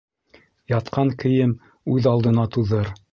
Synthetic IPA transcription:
jɑt̪qʰɑŋkɘ̆jɘm | ʉðɑlˠd̪ɤ̆nɑt̪uðɤɾ

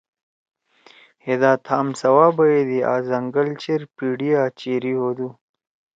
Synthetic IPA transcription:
hed̪aːt̪ʰaːmsɐwaːbɐed̪ia̰ːzɐŋɡəlt͡ɕeɾpiɖiaːt͡ɕeɾihod̪u

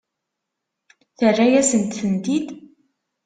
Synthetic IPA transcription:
θərːajæsənt̪θənt̪id̪

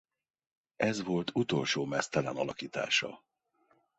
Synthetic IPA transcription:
ɛzʋo̞lt̪ʰut̪o̞lʃoːmɛst̪ɛlɛnɒlɒkiːt̪a̰ːʃɒ̰

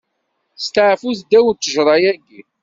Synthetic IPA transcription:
st̪əʕfuθd̪æwənt̪ːəʒɾˤɑjæɡːi

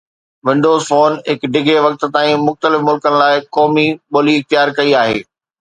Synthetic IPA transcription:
ʋɪ̃ɳɖoːzfoːnɦɪkɖɪɡʱeʋɐk̚t̪̆t̪aːĩmʊxt̪əlɪfmʊlkənɪ̆laːɪkɔːmiɓoːliɪxt̪ɪjaːɾkɐiaːɦḛː

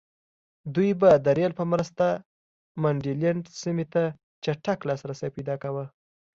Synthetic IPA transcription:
d̪ujbad̪əɾjelpəmɾəst̪a | maɳɖilaɳɖsimet̪a | t͡ʃaʈaklɑsɾasajpajd̪ɑkawə

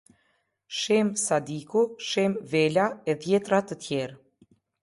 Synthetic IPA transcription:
ʃɛmsad̪ikuʃɛmvɛlaɛðjɛt̪ɾat̪ət̪jɛɾ

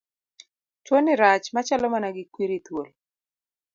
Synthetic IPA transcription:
t͡ʃwonɪɾat͡ʃmat͡ʃalɔmanaɡɪkwiɾit̪wol

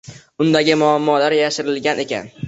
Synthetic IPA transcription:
ʊnd̪aɡʲɪmʊamːɒlaɾjaʃɪɾɪlɡʲanʔe̞kʲa̰n

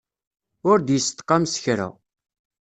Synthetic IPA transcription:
ʊɾd̪jəst̪qːɑmsə̥çɾə̰

